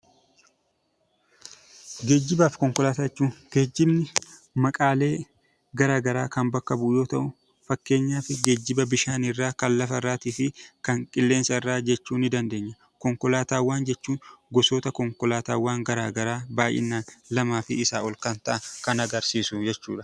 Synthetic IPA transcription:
ɡe̞ːd͡ʒːɪbaːfkɔŋkɔlaːt̪aːɛt͡ʃːuːŋɡ̥e̞ːd͡ʒːɪbnɪ | mɐkʼaːle̞ː | ɡɐɾaːɡɐɾaːkɐnbɐkːɐbʊːjo̞ːt̪ɐʔʊ | fɐkːe̞ːɲːaːfɪɡeːd͡ʒːɪbɐbɪʃaːnɪrːaːkɐnlɐfɐɪrːaːt̪iːfɪkɐŋkʼɪlːe̞ːnsɐɪrːaːd͡ʒɛt͡ʃːuːnɪd̪ɐnd̪e̞ːɲːɐ | kɔŋkɔlaːt̪aːwːaːnd͡ʒɛt͡ʃːuːnɡɔsoːt̪ɐkɔŋkɔlaːt̪a̰ːwːaːŋɡɐɾaːɡɐɾaːbaːjʔɪ̰nːaːnlɐmaːfɪːsaːɔlkɐnt̪ɐʔɐkɐnɐɡɐɾsiːsʊd͡ʒɛt͡ʃːṵːᶑɐ̥

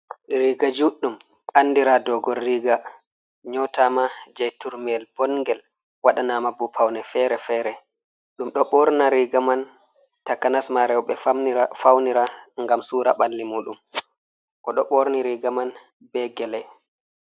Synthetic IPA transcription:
ɾiɡad͡ʒuɗːum | ʔanːdiɾadɔɡɔrːiɡa | ɲɔtamad͡ʒajtuɾmɛlb̥ɔnŋɡɛl | waɗanamabupʰawnɛfɛɾɛfɛɾɛ | ɗumɗɔɓɔɾnaɾiɡaman | takːanasmaɾɛwɓɛafawniɾaŋɡamsuːɾa̰ɓalːimuːɗum | ʔɔɗɔɓɔɾniɾiɡaman | bɛɡɛlɛj

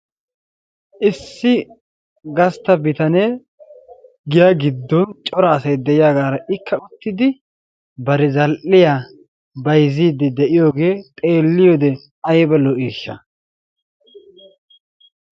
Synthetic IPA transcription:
ʔɪsːɪ | ɡɐst̪ɐbɪt̪ɐneː | ɡɪjaɡɪd̪ːɔnt͡ʃʼɔɾaːsɐjd̪ɛʔɪjaːɡaːɾɐʔɪkʰːɐʊt̪ːɪd̪ɪ | bɐɾɛzɐlʔːɪjaː | bɐjziːd̪ːɛd̪ɛʔɪjo̞ːɡe̞ːt̪ʼe̞ːlːɪjod̪ɛ | ɐjbɐlɔʔiːʃːɐ̰

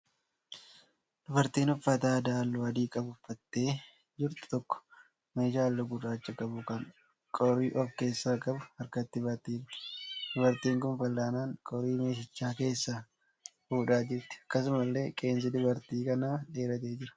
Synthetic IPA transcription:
d̪̥ʊbɐɾt̪iːnhʊfːɐt̪aːd̪aːlːʊɐd̪iːkʼɐbʊfːɐt̪ːe̞ː | d͡ʒɪɾt̪ɪ̥t̪ɔkːɔ̥ | me̞ːʃaːlːɔɡʊrːaːt͡ʃːɐkʼɐbʊkɐŋ | kʼɔɾiːʔɔfke̞ːsːaːkʼɐbʊɐɾkɐt̪ːɪbɐt̪iːɾɪ̥d̪̥ʊbɐɾt̪iːŋkʊnfɐlːaːnaːŋkʼɔɾiːme̞ːʃɐt͡ʃːaːke̞ːsːɐ | fuːᶑaːd͡ʒɪɾt̪ɪ̥ɐkːɐs̬ʊmɐlːe̞ːkʼe̞ːns̬ɪd̪ʊbɐɾt̪iːkɐnaːᶑe̞ːɾɐt̪e̞ːd͡ʒɪɾɐ̥

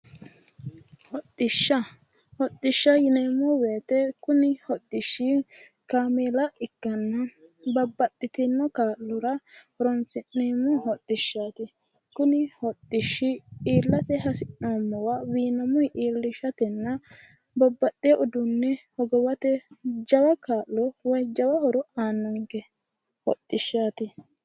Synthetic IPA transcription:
hɔt̪ʼːɪʃːɐ | hɔt̪ʼːɪʃːɐjɪneːmɔweːt̪ɛkʊnɪhɔt̪ʼːɪʃːɪ | kaːmeːlɐʔɪkːɐnːɐbɐbːɐt̪ʼːɪt̪ɪnːɔkaːlːʊɾɐhɔɾɔnsɪneːmɔhɔt̪ʼːɪʃːaːt̪ɪ | kʊnɪhɔt̪ʼːɪʃːɪiːlːɐt̪ɛɦɐsɪnamːɔwawiːnɐmɔjʔiːlːɪʃɐt̪ɛnːɐ | bɐbːɐt̪ʼːeʔʊd̪ʊnːɛhɔɡɔwɐt̪ɛd͡ʒɐwɐkaːʔːɔwɐjd͡ʒɐwɐhɔɾɔaːnːɔŋkɛ | hɔ̰t̪ʼːɪʃːaːt̪ɪ

